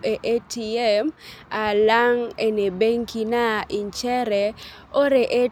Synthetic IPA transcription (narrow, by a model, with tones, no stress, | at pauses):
ʔe˨ʔe˦ti˨ɛ˦ma˨la˦ŋe˨ne˨be˦ŋki˦na˦ʔi˨nt͡ʃɛ˦ɾɛ˨ | o˦ɾe˨ʔe˦